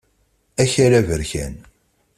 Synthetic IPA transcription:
æçæɾævəɾçæ̰n

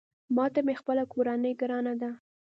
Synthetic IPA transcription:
mɑt̪amexpəlakoɾanəjɡɾɑnad̪a

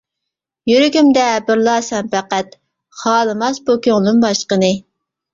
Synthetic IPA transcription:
jyɾyɡʲymd̪ɛbɪɾlˠɑːsɛmpʰɛqæt̪ | χɑːlˠɨmɑsbukʲʰøŋlˠumbɑʃqənɨ

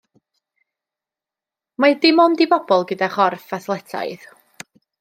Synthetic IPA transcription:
madɪmɔndibɔb̥ɔlˠɡədaχɔrfaθlˠɛtʰa̰ɨð

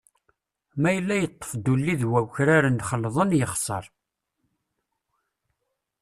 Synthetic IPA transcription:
mæjəlːæjət̪ˤːə̥fd̪ulːiðwæwçɾaɾənd̪χəlːðˤənjəχsˤə̰ɾˤ

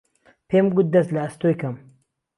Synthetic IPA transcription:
pʰemɡut̪̚d̪ɐst̪lɐːst̪ojkɐm

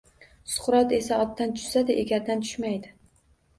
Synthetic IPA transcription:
sʊ̥χɾɒt̪e̞saɒt̪ːant̪ʰʊ̥ʃsad̪ɪʔeɡʲaɾd̪ant̪ʰʊ̥ʃmajd̪ɪ

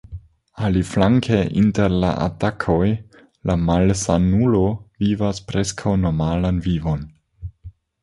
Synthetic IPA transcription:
aliflaŋkʰeʔinteɾla̰ʔa̰takʰo̞j | lʔamalsanulo̞vivaspɾe̞skʰawno̞malanvivo̞n

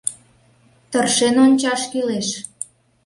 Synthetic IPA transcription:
t̪ərʃenonʲt͡ɕɑʃkyleʃ

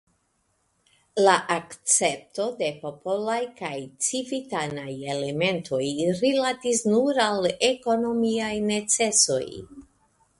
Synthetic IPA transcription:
laʔakt͡se̞p̚to̞de̞po̞po̞lajkajt͡sivitanaje̞le̞me̞ntʰo̞jɾilatisnuɾaleko̞no̞miajne̞t͡se̞so̞̰j

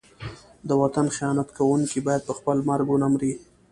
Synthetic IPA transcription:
d̪əwat̪anxijɑnat̪kawuŋkibɑjad̪̚pəxpəlmaɾɡonamɾi

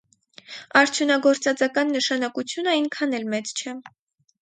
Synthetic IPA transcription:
ɑɾt͡sʰjunɑɡɔɾt͡sɑt͡sɑkɑnːəʃɑnɑkut͡sʰjunəiŋkʰɑnɛlmɛt͡st͡ʃʰɛ

